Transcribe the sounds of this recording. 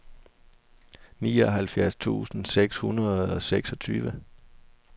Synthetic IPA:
niːɒɦælfjæɐst͡sʰṵːsn̩seɡ̥shunɐð̩ˠɒ̽seɡ̥sɒ̽t͡sʰy̰ːʋə

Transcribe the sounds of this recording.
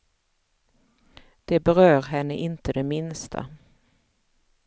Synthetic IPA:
d̪̥ɛbɛɾøːɾɦɛnːəʔɪnt̪əd̪ɛmɪnst̪ʰa̰

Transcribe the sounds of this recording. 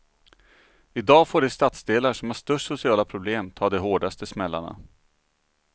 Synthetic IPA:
ɪd̪ɑːfoːɖɛst̪at̪sd̪eːlaʂɔmhæʂt̪ɵʂʊsɪɑːlapʰɾʊbleːmt̪ʰɑːd̪ɛɦoːɖast̪əsmɛlːa̰ɳa̰

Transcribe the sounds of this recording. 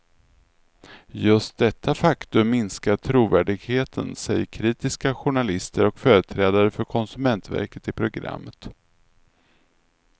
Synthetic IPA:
jɵst̪̚d̪ɛt̪ʰːafakt̪ɵmːɪnskaʈʰɾuːvæːɖɪɡheːt̪ʰə̰nsɛjkʰɾiːt̪ɪskaɧʊɳalɪst̪əɾɔkfœːɾət̪ʰɾɛːd̪aɾəfœɾkʰɔnsɵmɛnt̪væ̰ɾkət̪ɪpʰɾʊɡɾa̰mːət̪

